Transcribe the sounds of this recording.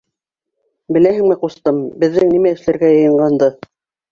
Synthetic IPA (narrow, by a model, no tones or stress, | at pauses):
bɘ̆læɦɘ̆ŋmɘqust̪ɤmbɘ̆ðːɘŋnimæɘ̆ʃlæɾɡæjɤ̆jɤ̆ɴɢɑnd̪ɤ